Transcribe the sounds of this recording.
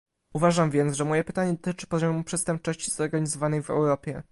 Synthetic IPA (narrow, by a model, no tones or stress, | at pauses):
uvaʐamvʲjɛnt̪zʐɛmɔjɛpɘt̪aɲɛd̪ɔt̪ɘt͡ʂɘ̥pɔʑɔmupʂɛtst̪ɛmp̚t͡ʂɔɕt͡ɕizɔɾɡaɲizɔvanɛjvɛ̰wɾɔpʲjɛ